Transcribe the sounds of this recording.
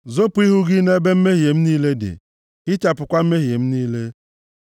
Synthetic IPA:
zo˦pʊ˨˦i˦ɦu˦ɡɪ˦ne˦be˦m̩˦me˦ɦi˨e˨m̩˦niː˦le˦dɪ̰˨ | ɪ˦t͡ʃa˨pʊ˨kʷa˦m̩˦me˦ɦi˨e˨m̩˦niː˦le˦

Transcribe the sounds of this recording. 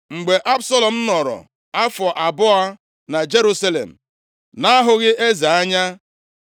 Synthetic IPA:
ŋ͡m̩˨ɡ͡be˨ʔa˦bsɔ˦lɔ˨m̩˦nɔ˨ɾɔ̰˨ | a˦fɔ˨ʔa˨bʊ˦a˦ | na˨d͡ʒe˦ɾu˦sa˦lḛ˨m̩˨ | na˦a˦ɦʊ˦ɣɪ˦ʔe˦za˨a˦ɲa˦

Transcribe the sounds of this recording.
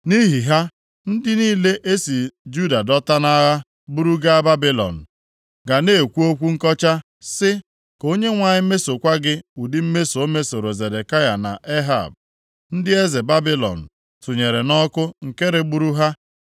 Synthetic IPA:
ni˦ɦi˨ɦa˦ | n̩˦dɪ˦niː˦le˦ʔe˦si˨d͡ʒu˦˨da˨dɔ˦ta˦na˦ɣa˦ | bu˦ɾu˦ɡa˦a˦ba˦bi˦lɔ̰˨n̩˨ | ɡa˨ne˦˨kʷu˦o˦kʷu˦ŋ̩˦kɔ˦t͡ʃa˦ | sɪ˦ | ko˦ɲe˦ŋʷa˨ɲɪ˦me˦so˨kʷa˦ɡɪ˦u˨dɪ˦m̩˦me˦so˨o˦me˦so˨ɾo˨ze˨de˨ka˦ja˨na̰˨ʔe˦ɦa̰˨b̚ | n̩˦dɪ˦e˦ze˨ba˦bi˦lɔ̰˨n̩˨ | tu˨ɲe˨ɾe˨nɔ˦kʊ˦ŋ̩˨ke˦ɾe˨ɡ͡bu˦ɾu˦ɦa˦

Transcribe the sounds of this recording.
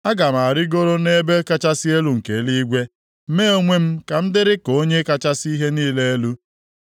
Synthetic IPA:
a˦ɡa˨m˨a˨ɾɪ˦ɡo˦ɾo˦ne˦be˦ka˦t͡ʃa˦sɪ˦e˦lu˨ŋ̩˨ke˨˦li˦ɡʷe˦ | m̩˦me˦o˦ŋʷe˦m̩˦ka˨m̩˦dɪ˦ɾɪ˦ko˦ɲe˦ka˦t͡ʃa˦si˦ɦe˦niː˦le˦e˦lu˦

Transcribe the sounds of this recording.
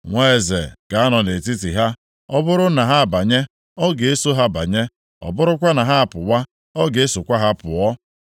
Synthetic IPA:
ŋʷe˦e˨zḛ˨ka˨a˦nɔ˨ne˨ti˦tḭ˨ɦa˦ | ɔ˦bʊ˦ɾʊ˦na˨ɦa˦a˨ba˨ɲe˦ | ɔ˦ɡe˨e˦so˦ɦa˦ba̰˨ɲe˦ | ɔ̰˨bʊ˦ɾʊ˦kʷa˦na˨ɦa˦a˨pʊ˨wa˦ | ɔ˦ɡe˨e˦so˨kʷa˦ɦa˦pʊ̰˨ɔ˦

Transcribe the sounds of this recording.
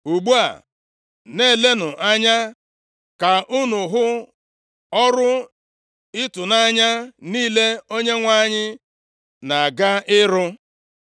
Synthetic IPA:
u˨ɡ͡bu˦a̰˨ | ne˦˨le˦nʊ˨ʔa˦ɲa˦ | ka˨ʔu˦nʊ˨ɦʊ˦ | ɔ˦ɾʊ˦ | ɪ˦tʊ˨na˦ɲa˦niː˦le˦o˦ɲe˦ŋʷa˦ɲɪ˦ | na˨a˨ɡa˦ɪ˦ɾʊ˦

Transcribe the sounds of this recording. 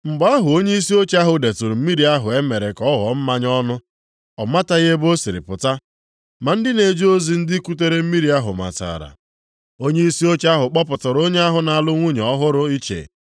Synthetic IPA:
m̩˨ɡ͡ba˦ɦʊ˨o˦ɲe˦i˦si˦o˦t͡ʃa˦ɦʊ˨de˨tʊ˨ɾu˨m̩˦mi˦ɾi˦a˦ɦʊ˨e˦me˨ɾe˨kɔ˦ɦɔ̰˨˦m̩˦ma˦ɲ˦ɔ˦nʊ˦ | ɔ˨ma˦ta˦ɣe˦bo˦si˨ɾɪ̰˨pʊ˨ta˦ | ma˨n̩˦dɪ˦ne˨d͡ʒi˦o˦zi˨n̩˦dɪ˦ku˦te˦ɾe˦m̩˦mi˦ɾi˨a˦ɦʊ˨ma̰˨ta̰ː˨ɾa̰˨ | o˦ɲe˦i˦si˦o˦t͡ʃa˦ɦʊ˨k͡pɔ˦p̬ʊ˨tʊ˨ɾo˦ɲe˦a˦ɦʊ˨na˨a˨lʊ˦ŋʷu˦ɲ˨ɔ˦ɦʊ˦ɾʊ˦i˦t͡ʃḛ˨

